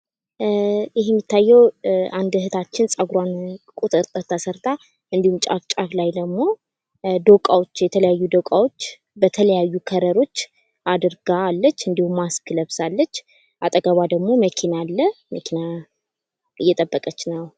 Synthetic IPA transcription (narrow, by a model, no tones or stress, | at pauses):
jɪɦjɛmːit̪ːajːɛwʔand̪ɦɨt̪ʰat͡ʃːɪnsʼəɡuɾwankʼut̪ʼɨɾt̪ʼəɾt̪ʰəsəɾt̪ʰa | ɨnd̪ihumt͡ʃʼa̰kt͡ʃʼaklajd̪əɡmo̞ | d̪əkʼawo̞t͡ʃːjɛt̪ʰələjajːud̪əwkʼawo̞t͡ʃː | bət̪ʰələjajːukʰəɾəɾo̞t͡ʃː | ʔad̪ɨɾɡalːət͡ʃːɨnd̪ihumːaskʰɨləβsalːət͡ʃː | ʔat̪ʼəɡəβad̪əɡmo̞məkʰinalːəməkʰina | ɨjːɛt̪ʼəbːəkʼət͡ʃːnəw